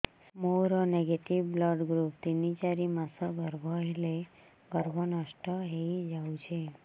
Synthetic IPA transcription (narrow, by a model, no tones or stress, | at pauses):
moɾɔneɡeʈiʋblɔɖɡɾup̚t̪init͡ʃaɾimasɔɡəɾbʱɔele | ɡəɾbʱɔnəʃʈəɦeid͡ʒaũt͡ʃʰe